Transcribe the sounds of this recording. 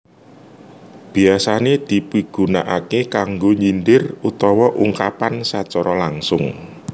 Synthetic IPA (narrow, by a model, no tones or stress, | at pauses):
b̥i̤asaned̪̥i̤piɡ̥ṳna̰ʔakekaŋɡoɲinɖɪrut̪ɔwɔʔuŋkapansat͡ʃɔɾɔlaŋsʊŋ